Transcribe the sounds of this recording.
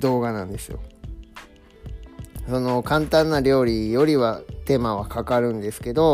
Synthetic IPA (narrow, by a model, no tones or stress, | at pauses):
d̪o̞ːɡanãnd̪e̞sɨjo̰ | so̞no̞kãnt̪ãnːaɾʲo̞ːɾʲijo̞ɾʲiβat̪e̞maβ̞akakaɾɯ̟̃nd̪e̞sɨ̥ke̞d̪o̞